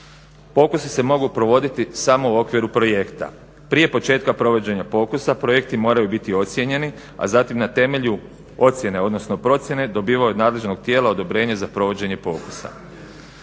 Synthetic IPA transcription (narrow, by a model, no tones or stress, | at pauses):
po̞ːkusise̞mo̞ɡupɾo̞ʋo̞d̪it̪isamo̞uo̞kʋiɾupɾo̞je̞kt̪a̰ | pɾije̞po̞t͡ʃe̞ːt̪kapɾo̞ʋo̞d͡ʑe̞ɲapo̞ːkusapɾo̞je̞kt̪imo̞ːɾajubit̪io̞t̪sʲje̞ɲe̞ni | a̰zaːt̪imnat̪e̞me̞ʎu | o̞t̪sʲje̞ne̞o̞d̪no̞sno̞pɾo̞t̪sje̞ne̞d̪o̞biːʋauod̪naːd̪le̞ʒno̞ɡ̚t̪jeːlao̞d̪o̞bɾe̞ːɲezapɾo̞ʋo̞d͡ʑe̞ɲe̞po̞̰ːkusa̰